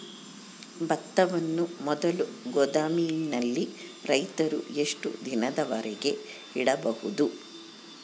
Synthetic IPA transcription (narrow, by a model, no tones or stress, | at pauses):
bɐt̪ːɐʋɐnːumɔd̪ɐluɡɔd̪aːmijnːɐlːi | ɾɐjt̪ɐɾṵe̞ʂʈṵd̪inɐd̪ɐʋɐɾɛɡe̞ | iɽɐbɐhud̪u